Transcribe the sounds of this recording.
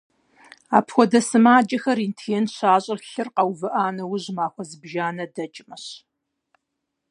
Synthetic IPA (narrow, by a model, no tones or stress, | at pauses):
a̰ːpʰxʷɔdɐsɨmaːd͡ʒʼɐxɐɾintʰɛnɕaːɕʼɪrɬɨrqɐwvɨʔaːnɐwʊʑmaːxʷɔzɨbʒaːnɐdɐt͡ʃʼɪmɐɕ